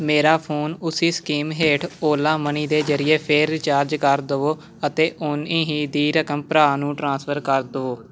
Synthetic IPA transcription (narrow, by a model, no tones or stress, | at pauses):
meːɾaːpʰoːnʊsiːskiːmɦeːʈʰoːlãːməniːd̪eːd͡ʒəɾɪjeːpʰeːɾːɪt͡ʃaːɾd͡ʒkəɾd̪əoː | ət̪eːʔʊniːɦiːd̪iːɾəkəmpɾaːnũːʈɾãːspʰəɾkəɾd̪əoː